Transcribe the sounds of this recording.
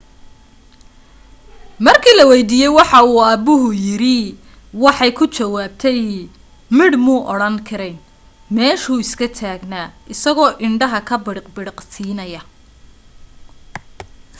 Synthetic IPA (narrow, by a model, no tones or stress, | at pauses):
mɐrkʰiːlɐwɛjd̪iːjɛjwɑħɑuːɐbʊɦʊjɪɾɪ | wɑħɑjkʰʊt͡ʃɐwaːb̚t̪ʰɛj | mɪɽmuːʔɔɽɐŋkʰɐɾɛj | mɛːʃuːɪskʰɐt̪ʰaːɡnaːʔɪsɐɣɔːʔɪɳɖɐɦɐkʰɐbɪɽɪqbɪɽɪqsiːnɐjɐ